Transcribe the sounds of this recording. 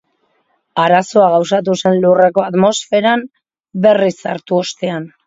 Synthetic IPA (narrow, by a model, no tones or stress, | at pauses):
aɾaso̞aɣawsat̪̬use̞nlure̞ko̞at̪mo̞sfe̞ɾam | be̞risaɾt̪uo̞st̪e̞an